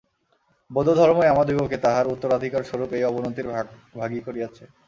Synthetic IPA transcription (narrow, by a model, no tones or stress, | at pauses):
bod̪od̪ʱɔɾmoeamad̪ibʱoket̪aɦaɾut̪ːoɾad̪ʱikaɾʃoɾupejɔbonot̪iɾ | bʱaɡikoɾiat͡ɕʰe